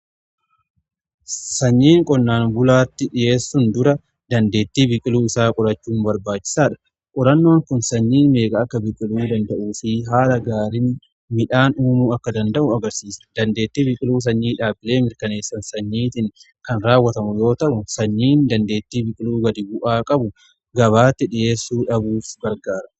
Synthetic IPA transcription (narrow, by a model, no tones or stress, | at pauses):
sɐɲːiːŋkʼɔnːaːnbʊlaːt̪ːɪᶑɪje̞ːsːʊnd̪ʊɾɐ | d̪ɐnd̪e̞ːt̪ːiːbɪkʼɪluːɪsaːkʼɔɾɐt͡ʃːuːnbɐɾbaːt͡ʃːɪ̥saːᶑɐ̥ | kʼɔɾɐnːo̞ːŋkʊnsɐɲːiːnme̞ːkʼɐːkːɐbɪkʼːɪluːd̪ɐnd̪ɐʔuːfiɦaːlɐɡaːɾɪn | mɪᶑaːnuːmuːɐkːɐd̪ɐnd̪ɐʔʊɐɡɐɾsiːsɐ̥d̪ɐnd̪eːt̪ːiːbɪkʼɪluːs̬ɐɲːiːᶑaːbɪle̞ːmɪɾkɐne̞ːsːɐnsɐɲːiːt̪ɪŋ | kɐnɾaːwːɐt̪ɐmʊjo̞ːt̪ɐʔʊsɐɲːiːnd̪ɐnd̪e̞ːt̪ːiːbɪkʼɪluːɡɐd̪ɪbʊʔaːkʼɐbʊ | ɡɐβaːt̪ːɪᶑɪje̞ːsːuːᶑɐbuːfɡɐɾɡaːɾɐ̥